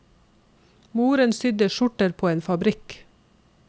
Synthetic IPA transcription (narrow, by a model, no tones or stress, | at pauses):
muːɾənsʏd̪əʃʊʈəɾpʰoːeːnfɑbɾɪk